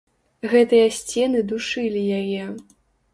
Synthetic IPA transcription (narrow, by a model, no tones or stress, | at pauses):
ɣɛt̪ɨjɐsʲt͡sʲɛnɨd̪uʂɨlʲijajɛ